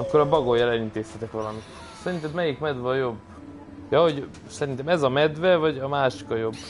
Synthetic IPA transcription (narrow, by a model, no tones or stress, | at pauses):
ɒkːo̞ɾɒbɒɡojːɒlɛlint̪eːshɛt̪ɛkʋɒlɒmit̪ | sɛɾint̪ɛb̪mɛjikmɛd̪ʋɒːjo̞bː | jɒːho̞ɟ | sɛɾint̪ɛmɛzɒmɛd̪vɛvɒɟɒmaːʃi̥kɒjo̞bː